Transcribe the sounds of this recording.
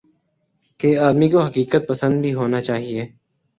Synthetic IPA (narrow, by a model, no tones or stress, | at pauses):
keaːd̪mikoɦɐkiːkət̪̚pəsə̃nd̪bʱiɦoːnat͡ʃaːɦieː